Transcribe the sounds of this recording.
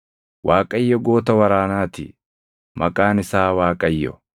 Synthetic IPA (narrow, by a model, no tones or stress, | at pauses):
waːkʼɐjːɔɡo̞ːt̪ɐwɐɾaːnaːt̪ɪ̰ | mɐkʼaːnɪsaːwaːkʼɐjːɔ̰